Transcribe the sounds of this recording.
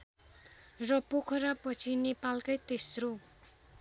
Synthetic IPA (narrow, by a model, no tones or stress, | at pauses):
rʌpokʰʌɾapʌt͡sʰinepalkajt̪esro